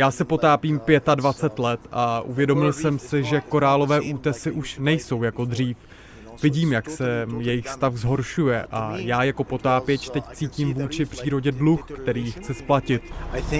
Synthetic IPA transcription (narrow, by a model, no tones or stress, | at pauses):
jaːsɪpo̞t̪aːpiːmpjɛt̪advat͡sɛt̪lɛt̪ʔaʔṵvjɛdo̞mɪlsɛmsɪʒɛko̞ɾaːlo̞vɛːʔuːt̪ɛsɪʔuʃnɛjso̞wjako̞d̪r̝iːf | vɪɟiːmjaksɛjɛjɪxst̪afzɦo̞ɾʃujɛʔa̰jaːjako̞po̞t̪aːpjɛt͡ʃt̪ɛct͡siːcimvuːt͡ʃɪpr̝̥iːɾo̞ɟɛdluxkt̪ɛɾiːxt͡sɛsplacɪt̪̚